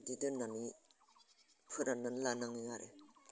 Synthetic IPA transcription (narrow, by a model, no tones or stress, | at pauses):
didɯnːani | pʰɯɾananlanaŋiŋaɾḛ